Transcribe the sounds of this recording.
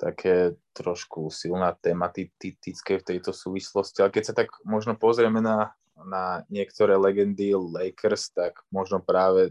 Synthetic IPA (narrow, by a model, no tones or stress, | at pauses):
t̪a̰kʰɛːt̪ɾɔʃkusilnaːt̪ɛːmat̪it̪it̪it͡skɛft̪ɛjt̪ɔsuːʋislɔscialɛkɛcsat̪aɡmɔʒnɔpɔzɾɪɛmɛna | naɲɪɛkt̪ɔɾɛːlɛɡɛnd̪ilɛjkɾst̪aɡmɔʒnɔpɾaːʋɛ